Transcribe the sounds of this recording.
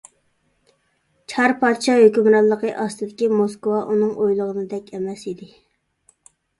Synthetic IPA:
t͡ʃʰɑɾpʰɑd̪ʃɑjøkʲymɾɑlˠːəqəʔɑst̪ɨd̪ɪkʲimoskowɑʔunɨŋʔojlˠəʁənɨd̪ɛkʲɛmɛsid̪ɪ

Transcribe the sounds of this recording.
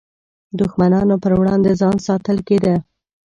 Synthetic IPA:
d̪ʊxmanɑnopəɾwɽɑnd̪ezɑnsɑt̪əlked̪ə

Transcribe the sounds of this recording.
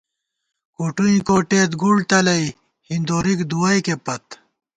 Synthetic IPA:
koːʈuĩkoːʈeːt̪ɡuɽt̪ɐlɐi | hind̪oːɾikd̪uwɐjkepɐt̪

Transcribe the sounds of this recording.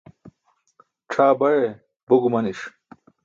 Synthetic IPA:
ʈ͡ʂʰaːbɐɻe | buɡumɐniʂ

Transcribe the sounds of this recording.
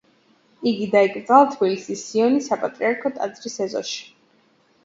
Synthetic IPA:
iɡid̪aikʼɾt̪sʼalˠt̪ʰbilisisːiɔnisapʼat̪ʼɾiaɾkʰɔt̪ʼa̰d̪zɾisɛzɔ̰ʃi̥

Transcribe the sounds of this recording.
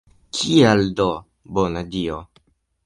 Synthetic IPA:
kʰialdo | bonadio

